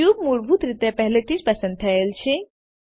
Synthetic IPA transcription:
jub̚muɾbʱut̪ɾit̪ɛpɛɦlet̪ʰit͡ʃpɐsə̃nd̪̚t̪ʰɐelt͡ʃʰe

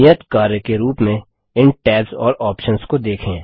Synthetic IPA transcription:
ɪjət̪kaːɾjkeɾuːpmẽ | ɪnʈɛːlzɔ̰ːɾɔːpʃənskod̪eːkʰẽː

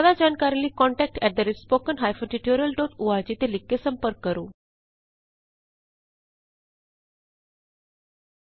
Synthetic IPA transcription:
d̪ad͡ʒankaɾliːkɔ̃ɳʈɛk̚ʈɛʈ̚d̪əɾeʈspoːkənɦajfəʈiʈoɾiəlʈoːʈuʋad͡ʑit̪elikːesə̃mpəɾkːəɾuː

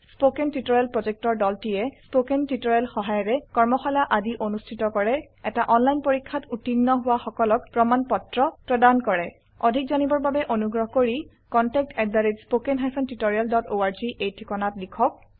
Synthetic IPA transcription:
spokɛntitoɹialpɹɔzɛk̚tɔɹdɔltijɛspokentitoɹalxɔɦajɔɹɛkɔɹmɔxalaʔadiʔonustʰitɔkɔɹɛ | ɛtaʔɔnlajnpoɹikʰːatutinːɔɦʊwaxɔkɔlɔkpɹɔmanpɔtɹɔpɹɔdankɔɹɛ | odʱik̚zɔnibɔɹbabɛʔonuɡɹɔɦɔkoɹi | kɔntɛk̚tʰɛdaɹitspokɛnɦajpʰɔntitoɹijaldɔtoaɹziʔejtʰikɔnatlikʰɔk̚

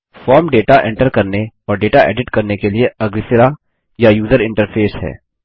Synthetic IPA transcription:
fɔːɾmɖeːʈaʔɛ̃ɳʈəɾkɐɾneɔːɾɖeːʈaɛ̰ːɖɪʈkɐɾnekelieɐɡɾɪsɪɾa | jajuːzəɾɪ̃ɳʈəɾpʰeːsɦɛ̰ː

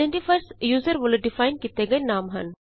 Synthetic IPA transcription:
eɳʈifʰɐɾsjuːzəɾʋʊlɖɪfaːɪnkit̪eɡɐjnaːmɦɐ̰n

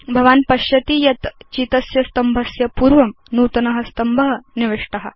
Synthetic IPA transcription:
bʱɐʋaːnpɐɕjɐt̪iːjɐt̪t͡ʃit̪ɐsjɐst̪ɐmbʱɐsjɐpuːɾʋɐm | nuːt̪ɐnɐɦɐst̪ɐmbʱɐɦɐniʋeʂʈɐɦɐ̰

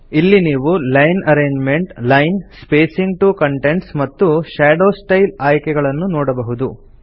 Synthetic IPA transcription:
ilːiniːʋulɐjnɐɾeːɲd͡ʒme̞ɳʈlɐjnspeːsiŋɡʈukɐɳʈe̞ɳʈsmɐt̪ːuʃaːɖo̞ːsʈɐjlaːjkɛɡɐɭɐnːunɔːɽɐbɐɦud̪u

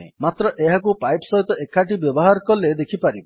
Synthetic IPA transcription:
ḛmat̪ɾɔʔeɦakupajpsɔɦit̪ɔekaʈ̬ibjɔbɔɦaɾɔkɔled̪ekʰipaɾibɔ

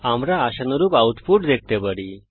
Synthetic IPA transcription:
amɾaːɕənəɾuːpawʈ̪fuʈd̪ek̚ʰt̪ebəɽi

